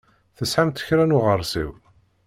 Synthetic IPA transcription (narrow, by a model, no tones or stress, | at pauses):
θəsħamt̪ə̥çɾænʊʁərˤːsḭw